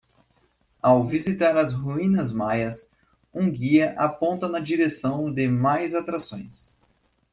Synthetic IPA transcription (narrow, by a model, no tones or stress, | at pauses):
awvizit̪aɾɐzɦuĩnɐzmajɐs | ũɡiɐʔapõnt̪ɐnɐd͡ʒiɾesɐ̃w̃d̪ɪmajzat̪ɾasõj̃s